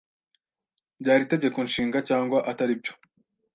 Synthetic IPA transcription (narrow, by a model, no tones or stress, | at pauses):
ɟaːɾite̞ɟe̞ko̞nʃiːŋɡacaːŋɡwaʔataɾibɟo̞̥